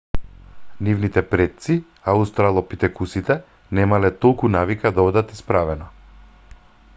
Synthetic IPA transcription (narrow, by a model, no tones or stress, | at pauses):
nivnit̪ɛpɾɛt̪̚si | aust̪ɾalˠɔpit̪ɛkusit̪ɛ | nɛmalɛt̪ɔlˠkunavikad̪aɔd̪at̪ispɾavɛnɔ